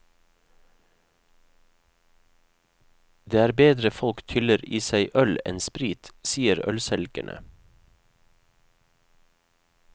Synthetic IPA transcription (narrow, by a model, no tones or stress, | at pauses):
d̪eːæːɾbeːd̪ɾəfɔlkt̪ʰʏləɾiːsæɪʔœlɛ̰nspɾiːt̪siːəɾœ̰lsɛlɡə̰ɳʔə̰